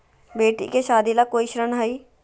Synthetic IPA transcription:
beːʈḭkeʃaːd̪ilakoːiʃɾənɦəiː

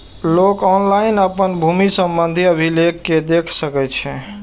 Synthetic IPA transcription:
lokɔnlainəpənbʱumisəmbənd̪ʱiəbʱilekːed̪ekʰsəkɛt͡ʃʰɛ

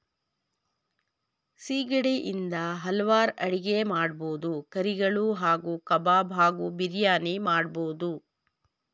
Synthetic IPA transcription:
siːɡɐɽiʔind̪ɐɦɐlɐʋaːɾɐɽiɡemaːɽboːd̪ukɐɾiɡɐɭuɦaːɡuːkɐbaːbʱaːɡubiɾjaːnimaːɽboːd̪u

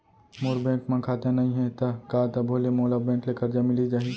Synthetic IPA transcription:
moːɾbɛ̃ːkmẽkʰaːt̪enɐĩɦɛ̃t̪ɐkaːt̪ɐbʱoːlemoːlabɛ̃ːklekɐɾd͡ʒamɪlid͡ʒaːɦi

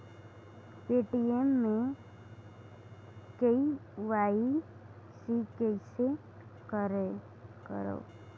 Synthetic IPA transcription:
peːʈiemːẽ | kəiʋaːi | sikəise | kəɾe | kə̰ɾo̰ː

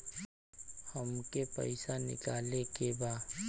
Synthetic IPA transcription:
həmkepɛ̰ɪsanɪ̰kaːlekebaː

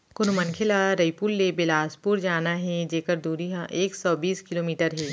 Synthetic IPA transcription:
kʊnmɐ̃nkʰɪlaɾɐipuːlːebɪlaːspuɾd͡ʒaːnaɦɛd͡ʒeːkəɾd̪uːɾiɦãʔeːksɔːbiːskɪloːmiːʈəɾɦɛː

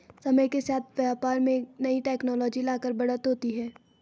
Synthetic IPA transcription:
sɐməjkesaːt̪ʰʋjaːpaːɾmẽnɐiʈɛːknɔːlɔːd͡ʒilaːkəɾbɐɽət̪ɦoːt̪iɦɛː

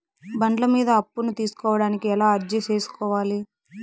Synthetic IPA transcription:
bɐɳɖlɐmiːd̪ɐɐpːunut̪iːsu̥kɔːʋɐɽaːnikiɛlaːɐɾd͡ʒɐt͡ʃeːsu̥kɔːʋaːli

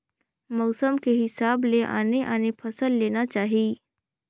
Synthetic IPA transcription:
mɔʊsəmkeɦɪsaːbleʔa̰ːneʔaːnepʰɐsəlːeːnat͡ʃaːɦiː

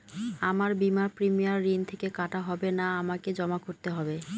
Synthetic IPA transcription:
amaɾbimaɾpɾimijaɾːint̪ʰekekaʈaɦɔbenaamaked͡ʑɔmakoɾt̪eɦɔbe

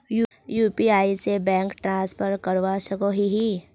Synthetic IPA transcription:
ju | juːpiaːisebɛ̃ːŋkʈɾãːspʰəɾkəɾʋasəkoɦiɦi

